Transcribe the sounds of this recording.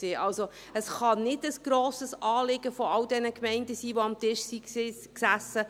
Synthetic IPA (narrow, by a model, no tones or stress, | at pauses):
seːʔɑlso | əsχɑnɪdəsɡ̥ɾoːsəsʔɑːlɪɡəfɔɑldɛnəkmɛɪndəsiːʋoɑmtɪʃsi | ksæsːə